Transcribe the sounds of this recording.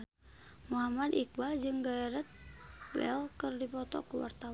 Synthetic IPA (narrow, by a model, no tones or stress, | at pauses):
muɦamadik̚bad͡ʒɨŋɡaɛɾət̪̚bɛ̰lkɨrdipɔt̪ɔ̰kuwa̰rt̪aw